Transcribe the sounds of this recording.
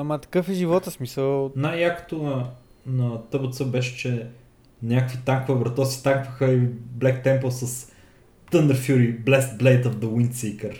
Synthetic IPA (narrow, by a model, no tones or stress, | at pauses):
ɐmɐt̪ɐ̥kɤfɛʒivɔt̪əsmisəlˠnajjakə̥t̪on | nɐt̪ɤbət̪səbɛʃɛ̥t͡ʃɛ | nʲjakəkvit̪aŋkvəvɾɐt̪ɔsi̥t̪aŋkvəxəiblɛkt̪ɛmpəlˠsɐs | t̪ənd̪əɾfjuɾiblɛst̪̚blɛjt̪ovd̪əwinsiːkəɾ